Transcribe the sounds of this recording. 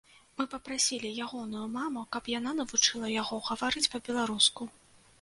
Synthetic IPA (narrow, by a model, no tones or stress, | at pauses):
mɨpɐpɾasʲilʲijaɣɔnujumamukɐpjan̪anɐvut͡ʂɨlˠɐjaɣɔɣɐvaɾɨt͡sʲpɐbʲɛlˠaɾusku